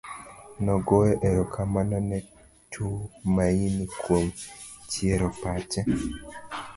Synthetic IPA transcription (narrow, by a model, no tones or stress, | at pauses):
nɔɡoeʔeɾokʰamanɔnɛ | tʰumainikwomt͡ʃjeɾɔpat͡ʃɛ